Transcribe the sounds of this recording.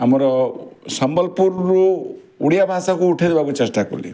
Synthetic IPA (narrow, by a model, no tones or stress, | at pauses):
amɔɾɔsɔmbɔlpuɾːu | uɽijabʱãsakuːʈʰed̪ebakut͡ʃesʈakṵlḭ